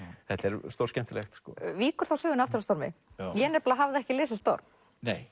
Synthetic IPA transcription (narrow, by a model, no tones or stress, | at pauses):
θɛt̪ɛɾst̪owɾscɛm̥t̪ɪlɛxt̪skɔ̰viːkʏɾ̥θawsœːɣʏnaft̪ʏɾast̪ɔɾmɪ̰jɛnɛɾpalaɦavðɛhcɪlɪːsɪst̪ɔ̰ɾm | nej